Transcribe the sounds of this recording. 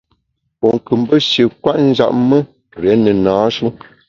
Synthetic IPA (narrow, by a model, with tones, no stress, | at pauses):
pɔ˨ŋ˨kɨ˨m˦bə˦ʃjə˨kwa˦ʔn̩˦d͡ʒa̰˨ʔmə˦ | ɾɛ˨˦nə˨naː˨˦ʃu˦